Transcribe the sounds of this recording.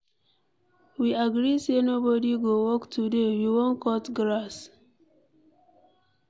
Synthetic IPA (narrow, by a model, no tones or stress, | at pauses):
wiaɡɹisenobɔdiɡowɔktʰudewiwõnkɔtɡɹas